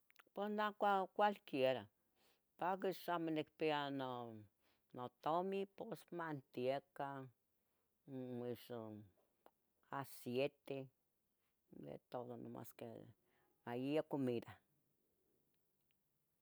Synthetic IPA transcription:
posnakʷakʷalkjeɾa | pak̬iʃamenikpeano | not̪omiposmant̪jeka | iʃo | asjet̪e | d̪ḛt̪oðono̰ma̰skḛ | majiakomid̪a

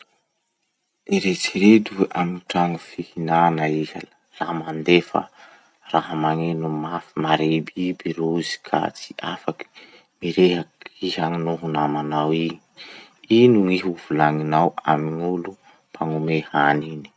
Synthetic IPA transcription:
eɾet͡siɾed̪uʔamiʈ͡ʂaŋufihinanaiza | lamand̪efə̰ | raɦəmaŋenumafimaɾebibiɾozi̥kʰa̰t͡si̥ʔafaki̥ | miɾeɦakiɦaŋinuɦunamanawi | inuiɦuvulaŋinawamiɲulu | pʰaŋumehanini̥

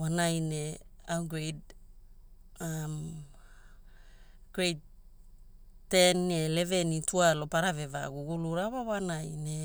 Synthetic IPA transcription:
wanajne̞awɡɾejd | am | ɡ̥ɾejd | tenːele̞venitualo̞paɾave̞va̰ɡuɡuluɾawawanajne̞

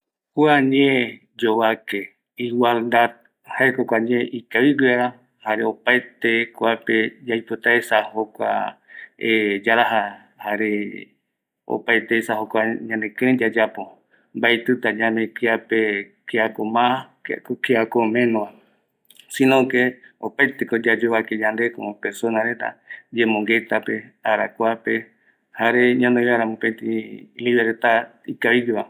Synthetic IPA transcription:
kuaɲẽ | d͡ʒoβake | iwald̪ad̪̚ | haekokʷaɲeʔikawiɡweɾa | haɾeopaet̪ekwaped͡ʒajpot̪aesahokʷa̰ | ed͡ʒaɾaɦa | haɾe | o̰paet̪esahokʷaɲãnẽkẽd͡ʒad͡ʒapo | mbajt̪ɨt̪ad͡ʒamekiape | keakomã | kokeakomẽnõa | sĩnõkeopajt̪ekod͡ʒad͡ʒoβaked͡ʒand̪ekoõpesonaɾet̪a̰d͡ʒemõŋɡet̪ape̞aɾakʷape | haɾeɲãnd̪ejaɾamũpẽnt̪ĩliβeɾt̪a | ikaβiɡiβa

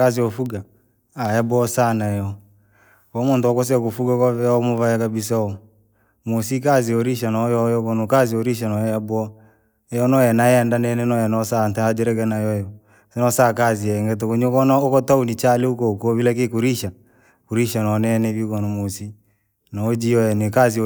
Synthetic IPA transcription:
kaziɔfuɡa | ajabwɔsanajɔ | kɔmontɔkɔs̬ɛkofuɡakɔvɛaɔmovajakabis̬aɔ | mosik̬aziɔɾiʃanɔjɔjɔkɔnokazioɾiʃ̬anɔjajabɔ | ɛjɔnɔjanaɛndanɛnɛnɔjanɔsantaad͡ʒɛɾɛkɛnajɔjɔ | sɛnɔsakaziɛŋɡɛt̬okoɲokɔnaokɔtaunit͡ʃaleukokoβilɛkekuɾiʃa | kuɾiʃanɔnɛnɛβikɔnomosi | nɔod͡ʒijɔjɛnekazi

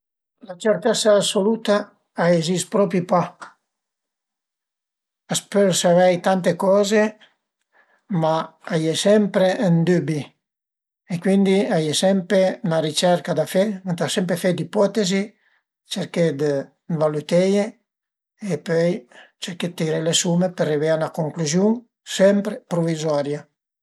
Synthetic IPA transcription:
lat͡ʃeɾt̪ɛsaːsolut̪a | aezispɾɔpipa | aspøsavɛjt̪ant̪ekɔːze | maajesɛmpɾeənd̪ybi | ekwind̪iajesɛmpɾenaɾit͡ʃɛɾkad̪afemant̪asɛmpɾefɛd̪ipɔt̪ezi | t͡ʃeɾked̪ə | valut̪ɛje | epøjt͡ʃeɾket̪ːiɾelesumepereveanakoŋkluzjuŋ | sɛmpɾepɾovizɔɾja

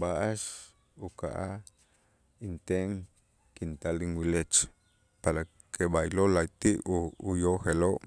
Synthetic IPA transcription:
ɓaʔaʃ | uka̰ʔa | int̪eʔŋ | kint̪aliŋwilet͡ʃ | paɾa | kʰeɓajlolait̪iʔuujoxeloːʔ

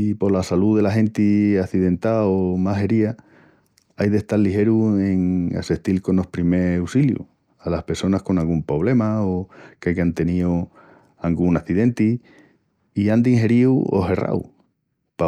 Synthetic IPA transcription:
ipo̞lasaluðe̞laɦẽ̞nt̪iaθiðẽ̞nt̪aomaɦe̞ɾia | ajðe̞ht̪aɾlːihe̞ɾue̞ŋa̰seht̪ilko̞no̞hpɾime̞wsiljṵ | alahpe̞ɾso̞nahko̞nalɡumpɾo̞β̞le̞maokakant̪e̞nio | alɡuŋaθiðe̞nt̪i | iand̪iŋɦe̞ɾiwo̰he̞ra̰w | pa

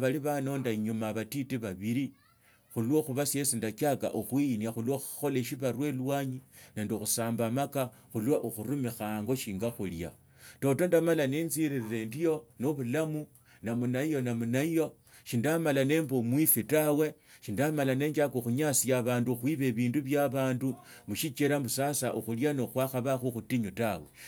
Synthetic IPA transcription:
βaliβano̞ndaɲumaβatitiβaβiɾi | xulwoxuβasjesindakaka̰ʔuxwinaxulwoxu̥xo̞leʃ̬iβaɾwe̞lwaːɲineːndixusaːmbamaka | xulwaʔuxuɾumixaŋɡo̞ʃiːŋɡaxulja̰ | to̞to̞ndamalanenziɾiɾiɾe̞ndijo̞noβulamu | namunaijo̞namunaijo̞ | ʃindamalane̞mbomwifitawe̞ | ʃindamalane̞ːɲd͡ʒakoxuɲasiaβaːnduxwiːβe̞βiːnduβjaβaːndu | muʃit͡ʃeɾambusasaʔuxuljanoxwaːxaβaxuxutiɲutawe̞̰

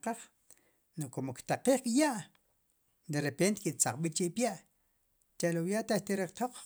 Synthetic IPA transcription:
qaχ | nokomokt̪aqiːχkʼjaʔ | d̪eɾepent̪kiʔt͡saq͡χɓit͡ʃiʔpjaʔ | t͡ʃaʔlowjaʔt̪at̪iɾeχt̪oq͡χ

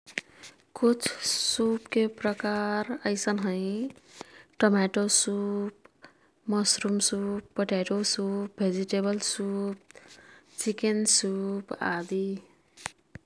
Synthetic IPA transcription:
kut͡ʃʰsupkepɾʌkaɾʌjsʌnɦə̃ĩ | ʈomeʈosup | mʌsɾumsupːəʈaʈosup̚bʱed͡ʒiʈebʌlsup̚ | t͡ʃikensupa̰d̪i

